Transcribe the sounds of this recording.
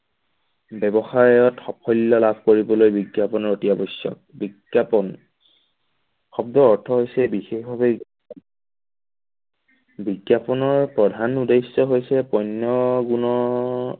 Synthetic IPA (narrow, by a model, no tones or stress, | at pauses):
bɛbɔxajɔtxɔpʰɔjlːɔlabʱkoɹibɔlojbiɡjapɔnɔɹotiabɔsjɔ̰k̚biɡapɔn | xɔb̚dɔɔɹtʰɔɦojsɛbixexbʱabɛ | biɡjapɔnɔɹpɹɔdʱanudejsːɔɦojsɛpɔjnːɔɡunɔ